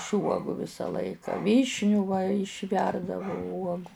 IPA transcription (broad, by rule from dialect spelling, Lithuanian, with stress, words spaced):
ɪʃ ˈuɔɡuː ˈʋʲɪsɐ ˈlˠɐɪkɐ ˈʋʲiːʃʲnʲuː ʋɐ ɪʃʲˈʋʲɛrdɐʋʊ ˈuɔɡʊ